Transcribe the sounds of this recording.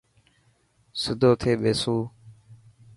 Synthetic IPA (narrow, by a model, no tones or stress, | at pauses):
sʊd̪ʱoːt̪ʰeːɓeːsuː